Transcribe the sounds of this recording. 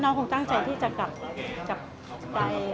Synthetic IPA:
naː˧˦˥wkʰo˧ŋt̪a˥˩ŋt͡ɕa˧jt̪ʰiː˥˩t͡ɕa˧ka˨˩p̚ka˨˩p̚ | pa˧j

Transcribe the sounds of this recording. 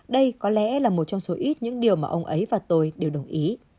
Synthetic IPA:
ɗə˧jkɔ˨˦lɛ̰˧˥laː˨˩mo˨˩t̚t͡ɕɔ˧wŋ͡mso˨˦ʔi˦˥t̚ɲɨ̰˧˥ŋɗi˨˩əwmaː˨ʔə˧wŋ͡mʔə˨˦jvaː˨˩t̪o˧jɗe˨˩wɗə˨˩wŋ͡mʔi˨˦

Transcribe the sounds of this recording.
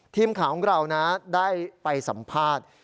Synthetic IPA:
t̪ʰiː˧˩mkʰaː˩˦wɔ˨˦˥ŋɾa˧wna˦˥daː˥˩jpa˧jsa˩˦mpʰaː˥˩t̪̚

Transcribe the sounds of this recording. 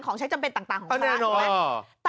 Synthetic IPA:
nkʰɔː˩˦ŋt͡ɕʰjt͡ɕa˧mpe˧nt̪aː˨˩ŋt̪aː˨˩kʰɔː˩˧˩nɛː˥˩nɔː˥˧t̪ː

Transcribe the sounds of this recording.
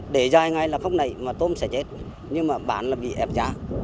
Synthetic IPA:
ɗe˧˩zaː˨˧˩jŋa˨˩jlaː˨˩fa˦˥wk͡p̚na̰˧˩˨jmaː˨˩t̪o˧msɛ̰˧˥t͡ɕe˦˥t̚ | ɲɨ˧ŋmaː˨˩ɓa̰ː˧˦nlaː˨˩ɓḭ˧˨ʔɛ˨˩p̚zaː˨˦

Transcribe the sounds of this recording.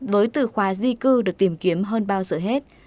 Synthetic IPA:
vəː˨˦jt̪ɨ̰˧˨˩xwaː˨˦zi˧kɨ˧ɗɨ˨˩ək̚t̪i˧˩mki˨˦əmɦəː˧nɓaː˧wzə̰ː˧˩ɦe˦˥t̚

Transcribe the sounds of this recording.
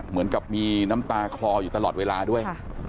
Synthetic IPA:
mɯ˩˦nka˨˩p̚miː˧na˦˥mt̪aː˧kʰlɔː˧juː˨˩t̪a˧lɔː˨˩t̪̚weː˧laː˧du˥˩əj

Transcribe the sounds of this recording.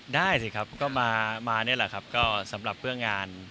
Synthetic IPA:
daː˥˩jsi˨˩kʰa˦˥p̚kɔː˥˩maː˧maː˧nɯ˥˩ɐlɛ˨˩kʰa˦˥p̚kɔː˥˩sa˩˦mɾa˨˩p̚ʰːɯ˥˩əŋːaː˧n

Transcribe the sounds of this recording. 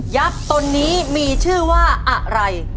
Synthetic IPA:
ja˦˥t̪̚t̪o˧nːiː˦˥miː˧t͡ɕʰɯː˥˩waː˥˩ʔa˨˩ʔɾa˧j

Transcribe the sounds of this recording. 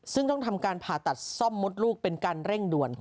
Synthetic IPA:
sɯ˥˩ŋt̪ɔ˥˩ŋt̪ʰa˧mkaː˧npʰaː˨˩t̪a˨˩t̪̚sɔ˥˩mːo˦˥t̪̚luː˥˩k̚pe˧nkaː˧nɾe˥˩ŋdu˨˩ən

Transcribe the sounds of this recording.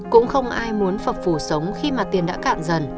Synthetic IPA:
kʊ̰˧˥ŋ͡mxə˧wŋ͡mʔaː˧jmu˨˦ənfə˨˩p̚fu˧˩sə˨˦wŋ͡mxi˧maː˨˩t̪i˨˩ənɗa̰ː˧˥ka̰ː˧˨nzə˨˩n

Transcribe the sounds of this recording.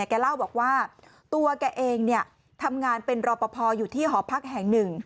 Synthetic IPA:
kɛː˧la˥˩wbɔː˨˩k̚waː˥˩ | t̪u˧ɐkɛː˧ʔeː˧ŋni˥˩ɐ | t̪ʰa˧mŋaː˧npe˧nɾɔː˧pɔ˧pʰɔː˧juː˨˩t̪ʰiː˥˩ɦɔː˩˦pʰa˦˥k̚ɦɛ˨˩ŋnɯ˨˩ŋ

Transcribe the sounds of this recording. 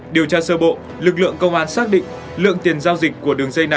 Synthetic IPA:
ɗi˨˩əwt͡ɕaː˧səː˧ɓo̰˧˨ | lɨ˨˩k̚lɨ̰˧˨əŋkə˧wŋ͡mʔaː˧nsaː˦˥k̚ɗḭ̈˧˨ŋ̟ | lɨ̰˧˨əŋt̪i˨˩ənzaː˧wzi˨˩k̟̚ku˧˩əɗɨ˨˩əŋzə˧jna˨˩j

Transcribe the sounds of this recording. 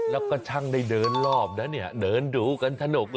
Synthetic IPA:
la˦˧˦w̚kɔ˧˩t͡ɕʰa˧ŋɗa˧˩jɗəː˨˩˦nlɔː˧˩p̚naː˨˦nɛ˧˩˨ɗəː˨˦nɗu˨˦ka˨˦nt̪ʰa˧no˨˩k̚

